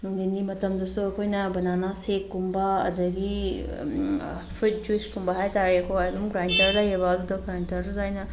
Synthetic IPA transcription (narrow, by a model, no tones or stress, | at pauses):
nuŋdinimɐtɐmdɐsuɐkʰojnɐbɐnanasekːumbɐɐ̰dɐɡi | pʰɾit̚d͡ʒwispʰumbɐɦajtaɾiɐkʰojajdumɡɾantɐɾdajɐbɐɐdudɐɡɾantɐɾdɐzajnɐ